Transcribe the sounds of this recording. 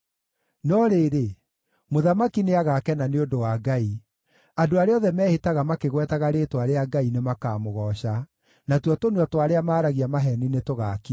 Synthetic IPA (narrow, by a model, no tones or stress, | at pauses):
nɔɾeːɾe | moðamakineaɣakɛnaneondowaɡai | adoaɾeɔðɛmɛːhetaɣamakeɣwɛtaɣaɾeːtwaɾeaɡainemakaːmoɣɔɕa | natwɔtonwatwaɾeamaːɾaɣiamaɦɛninetoɣaki